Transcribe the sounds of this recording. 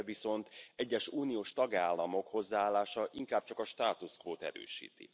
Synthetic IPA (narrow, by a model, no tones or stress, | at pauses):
viso̞nt̪ɛɟːɛʃuːnijoːʃt̪ɒɡaːlːɒmo̞kho̞zːaaːlːaːʃɒʔiŋkaːb̚t͡ʃɒkɒʃt̪aːt̪uskʋoːt̪ɛ̰ɾø̰ːʃḭːt̪ḭ